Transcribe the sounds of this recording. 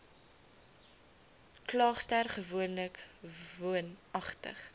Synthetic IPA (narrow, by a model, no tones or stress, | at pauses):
klɑːχstærχəvuənləkvuənɐχtə̰χ